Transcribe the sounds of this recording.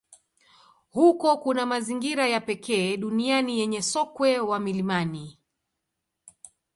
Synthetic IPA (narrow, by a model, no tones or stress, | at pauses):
hukɔkunamaziŋɡiɾajapɛkɛːɗunianijɛɲɛsɔkwɛwamilimani